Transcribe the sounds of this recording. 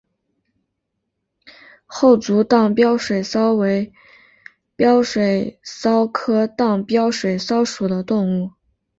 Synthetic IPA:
xo˥˩ʊt͡su˧˥t̪ɑ˥˩ŋpjɑ˥ʊʂwe˨˩ɪsɑ˥ʊwe˧˥ɪ | pjɑ˥ʊʂwe˨˩ɪsɑ˥ʊkʰɤ˥t̪ɑ˥˩ŋpjɑ˥ʊʂwe˨˩ɪsɑ˥ʊʂu˨˩d̪ə˦t̪ʊ˥˧ŋu˥˩

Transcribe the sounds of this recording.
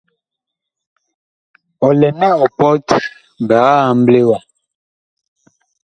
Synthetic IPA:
ɔ˨lɛ˨na˦ɔ˨pɔ˦t | ba˨ɣa˦a˨m̩˦ble˦wa˨

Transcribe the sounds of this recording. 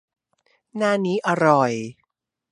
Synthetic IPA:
naː˥˩niː˦˥ʔa˧ɾɔ˨˩j

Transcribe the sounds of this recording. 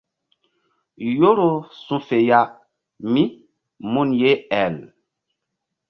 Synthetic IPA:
jo˦ɾo˦sũ˦fe˨ja˦ | mi˦ | mu˦nje˦ɛ˨l

